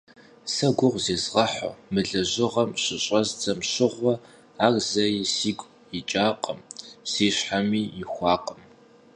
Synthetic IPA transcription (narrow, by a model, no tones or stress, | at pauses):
sɐɡʷʊʁʷzeːzʁɐħo̰mɨɮɐʑɪʁɐmɕɪɕʼɐzd͡zɐmɕɪʁʷɔ | aːrzɐisiːɡʷʼ | ɪt͡ʃʼaːqʼəmsiːɕħamiːɪxʷɑːqʼəm